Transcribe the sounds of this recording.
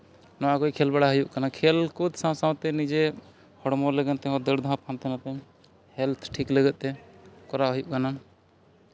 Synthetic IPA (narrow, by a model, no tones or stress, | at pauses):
nɔakɔjkʰɛlbaɽaɦujuʔkanakʰɛlkud̪sãwsãw̃t̪ɛnid͡ʒe | hɔɽmɔlɛɡɛnt̪ɛɦɔ̃d̪əɽd̪ʱãpʰãnt̪ɛnat̪ɛ | hɛlt̪ʰʈʰikləɡɛʔ̪̚t̪ɛkɔɾaɦujuʔkana